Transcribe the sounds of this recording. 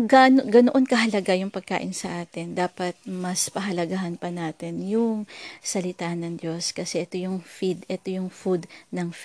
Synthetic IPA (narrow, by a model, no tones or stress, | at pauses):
ɡanoɡɐnoʔonkɐɦɐlɐɡajʊŋpɐɡ̚ka̰ːʔɪnsɐʔaːt̪ɪnd̪aːpɐt̪̚mɐspɐɦɐlɐɡaɦɐnpɐnaːt̪ɪnjʊŋsɐlɪt̪anɐŋd͡ʒjo̞skɐsɛʔɛt̪ojʊŋfid̪ʔɛt̪ojʊŋfud̪nɐŋf